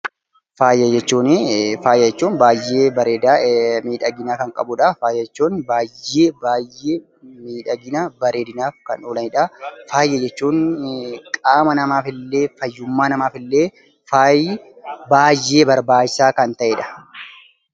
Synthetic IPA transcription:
faːjːɛd͡ʒɛt͡ʃːuːnefaːjːɛd͡ʒɛt͡ʃːuːnbaːjːeːbɐɾeːd̪amiːᶑɐɡɪnaːkɐŋkʼɐbʊᶑɐfaːjɛɛt͡ʃːuːnbaːjːeːbaːjːeː | miːᶑɐɡɪnaːbɐɾeːd̪ɪnaːfkɐ̰noːlɐnɪᶑɐfaːjːɛd͡ʒɛt͡ʃːuːŋkʼaːmɐnɐmaːfɪlːe̞ːfɐjːʊmːaːnɐmaːfɪlːeː | faːj | baːjːe̞ːbɐɾbaːd͡ʒɪsaːkɐnt̪ɐʔeːᶑɐ̥

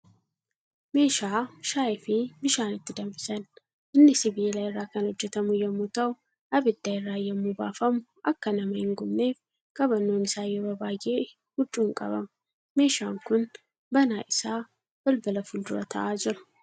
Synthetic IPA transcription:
me̞ːʃaːʃaːjɪfɪbɪʃaːnɪt̪ːɪd̪ɐmfɪsɐn | ʔɪnːɪsɪbilajɪrːaːkɐnhɔd͡ʒːɛt̪ɐmʊjɐmːʊt̪ɐʊ | ʔɐbɪd̪̥ːaːɪrːaːjːɐmːuːba̰ːfɐmʊ | ʔɐkːɐnɐmɐhɪŋɡʊmne̞ːf | kʼɐbɐnːoːnɪsaːjoːbɐbaːɡe | hʊt͡ʃʼːuːŋkʼɐ̰bɐm | me̞ːʃaːŋkʊn | bɐnaːʔɪsaː | b̥ɐlbɐlɐfʊld̪ʊɾɐ̰t̪ʰɐ̰ʔaːd͡ʒɪɾʊ̥

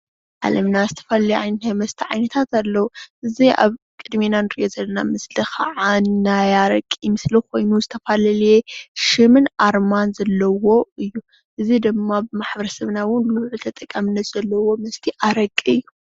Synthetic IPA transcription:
ʕa̰lɐmnazɨt̪ʰɐ̥faljʔajnt̪ʰajmɐst̪ʰiʕajnɐt̪ʰat̪alːɐwuʔɨzia̰β | kʼɨd̪minanɨɾḭʔozɐlːɐna̰mɨslixaʕanːajaɾɐkʼːimɨslikʰo̞jnuzɨt̪ʰɐfalɐljeʃɨmɨnaɾmanzɐlːɐwo̞ɨjːu | ʔɨzid̪ɨmːabɨmaħbɐɾɐsɐβnawʊnlluʕut̪ʰɐt̪ʼɐkʼːamɨnːɐt̪z̥ɐlːɐwo̞mɐst̪ʰiʔaɾɐkʼiɨjːu

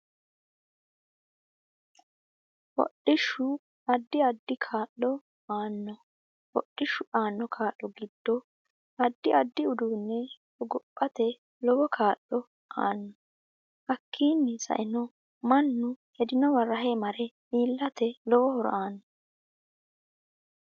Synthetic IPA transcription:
wɔ̰ɗɪʃːʊ | ɐd̪ːɪɐd̪ːɪkʰaːʔːɔ | aːnːɔ | wɔ̰ɗːɪʃːʊʔaːnːɔkʰaːʔːɔɡɪd̪̥ːɔ | ɐd̪ːɪɐd̪ːɪʊd̪uːnːɛ | ɔɡʊpʼːɐt̪ɛ | lɔwɔkʰaːʔɔ | a̰ːnːɔ | hɐkʰːiːnːɪsɐ̰ʔɪnɔ | mɐnːʊhɛd̪ɪnɔwɐrːɐɦemɐɾɛmiːlːɐt̪ɛlɔwɔhɔɾɔ̰ʔaːnːɔ

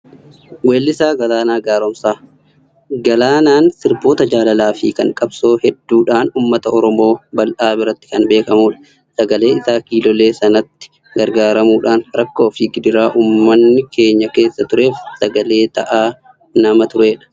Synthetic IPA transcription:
weːlːɪsaːɡɐlaːnaːɡaːɾɔmsaː | ɡɐlaːnaːnsɪɾbo̞ːt̪ɐd͡ʒaːlɐlaːfḭːkɐ̰ŋkʼɐbso̞ːhɛd̪ːuːᶑaːnuːmːɐt̪ɐɔɾɔmo̞ːbɐlʔaːbɪɾɐt̪ːɪ̥kɐnbe̞ːkɐmuːᶑɐ̥ | sɐɡɐle̞ːɪsaːkiːlɔle̞ːsɐnɐt̪ːɪ̥ | ɡɐɾɡaːɾɐmuːᶑaːnɾɐkːoːfiːɡɪd̪ɪɾaːʔuːmːɐnːɪkʰe̞ːɲːɐke̞ːsːɐt̪ʊɾe̞ːfsɐɡɐle̞ːt̪ɐ̰ʔaː | nɐmɐt̪ʊɾe̞ːᶑɐ̥

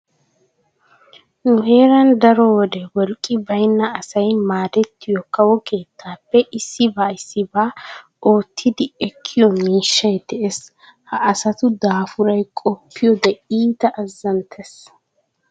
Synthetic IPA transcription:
nʊɦe̞ːɾɐnd̪ɐɾɔwɔd̪ɛwɔlkʼːɪbɐjnːɐɐsɐjmaːd̪ɛt̪ːɪjɔkɐwɔke̞ːt̪ːaːpːɛʔɪsːɪbaːɪsːɪbaː | o̞ːt̪ʰːɪd̪ɪɛkʰːɪjɔmiːʃːɐjd̪ɛʔes | hɐʔɐsɐt̪ʊd̪aːfʊɾɐjkʼɔpːɪjɔd̪ɛiːt̪ɐʔɐzːɐnt̪ʰɛs

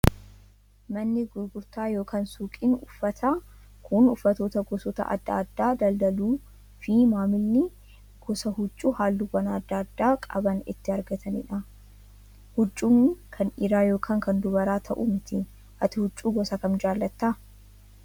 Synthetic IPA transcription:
mɐnːɪɡʊɾɡʊɾt̪aːjo̞ːkaːnsuːkʼɪnʊfːɐt̪ʰa | kʰʊnʊfːɐt̪oːt̪ɐɡɔsoːt̪ɐ̰ʔɐ̰d̪ːɐ̰ːd̪ːaːd̪ɐld̪ɐluː | fɪmaːmɪlːɪ | ɡ̥ɔsɐhʊt͡ʃʼːuːhaːlːubɐnɐːd̪ːaːd̪ːaːkʼɐ̰bɐnɪ̰t̪ːɪɐɾɡɐt̪ʰɐnɪ̰ᶑɐ | hʊt͡ʃʼːuːkʰɐnɪɾaːjo̞ːkʰaːŋkɐnd̪ʊbɐɾaːt̪ʰɐʔumɪt̪ɪ | ʔɐt̪ɪhʊt͡ʃʼːuːɡɔsɐkɐnd͡ʒaːlːɐt̪ːa

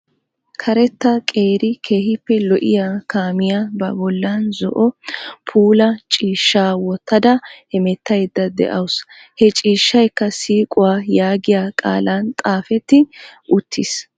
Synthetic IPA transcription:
kʰɐɾɛt̪ːɐkʼe̞ːɾɪkʰe̞ːhɪpːɛlɔʔɪ̰jaːkaːmɪjabɐbɔlːaːnzɔʔɔpʰuːlɐt͡ʃʼiːʃːaːwɔt̪ːɐd̪ɐhɛmɛt̪ːɐjd̪ːɐd̪ɛ̰ʔɐws | hɛt͡ʃʼiːʃːɐjkːɐsiːkʼʊwaːjaːɡɪjaːkʼa̰ːlaːnt̪ʼaːfɛt̪ːɪʔʊt̪ʰːis

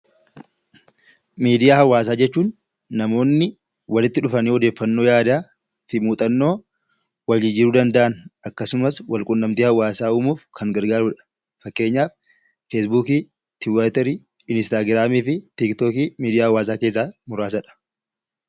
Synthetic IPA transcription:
miːd̪ɪjaːhɐwːaːs̬aːd͡ʒɛt͡ʃːuːnː | ɐmo̞ːnːɪ | wɐlɪt̪ːɪᶑʊfɐniːhɔd̪e̞ːfːɐnːo̞ːjaːd̪aː | tɪmuːt̪ʼɐnːo̞ː | wɐd͡ʒɪd͡ʒɪɾuːd̪ɐnd̪ɐʔɐnɐkːɐsʊmɐswɐlkʼʊnːɐmt̪iːhɐwːaːsaːumuːfkʰɐŋɡɐɾɡaːɾuːᶑɐ̥ | fɐkːe̞ːɲːaːf | fesbuːkiː | t̪ʰɪwat̪ɛɾi | ɪnst̪aːɡɾaːmiːfɪt̪ɪkt̪oːkiːmiːd̪ɪjaːhɐwːaːs̬aːke̞ːs̬ːaːmʊɾaːs̬ɐᶑɐ̥

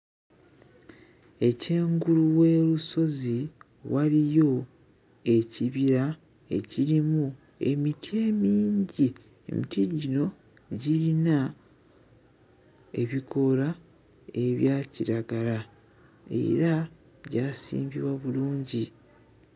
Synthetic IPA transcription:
e̞ce̞ːŋɡuluwe̞ːɾuso̞zi | walijo̞ | e̞ciβiɾa | e̞̰ciɾimu | e̞̰mitʰie̞ːmiːɲɟi | ḛmitiɟino̞ | ɟilina | e̞̰βikʰo̞la | e̞βjaːciɾaɡala | e̞̰ɾa | ɟaːsḭːmbḭβwaβuluːɲɟi

